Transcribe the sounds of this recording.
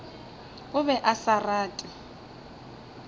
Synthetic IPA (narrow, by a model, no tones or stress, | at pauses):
ʊβɛʔasaraːtʼɪ